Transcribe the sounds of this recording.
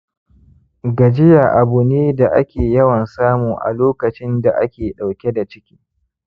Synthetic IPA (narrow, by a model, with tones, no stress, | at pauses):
ɡɐ˨d͡ʒɪ˦ja˨ʔa˨bʊ˨neː˦da˨ʔa̰˦kʲeː˨jɐ˦wɐ˨nsaː˦mu˨ʔa̰˨loː˦kɐ˨t͡ʃɪ˦nda˨ʔa̰˦kʲeː˨ɗa˨wkʲe˦da˨t͡ʃɪ˦kʲi̥ː˦